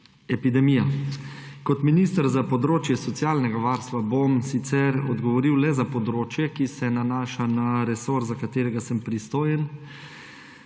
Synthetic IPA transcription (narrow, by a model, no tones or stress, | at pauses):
ɛpid̪ɛmiːja | kɔt̪miniːst̪əɾzapɔd̪ɾoːt͡ʃjɛsɔt̪sjaːlnɛɡaʋaːɾst̪ʋabomsit̪sɛɾɔd̪ɡɔʋɔɾiwlɛzapɔd̪ɾoːt͡ʃjɛkisɛnanaːʃanaɾɛsoːɾzakat̪eːɾɛɡasəmpɾist̪oːjɛn